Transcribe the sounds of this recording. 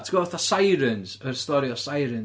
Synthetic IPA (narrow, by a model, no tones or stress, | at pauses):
tʰɡ̥ɔθasajɾənsərstɔɾiɔsajɾən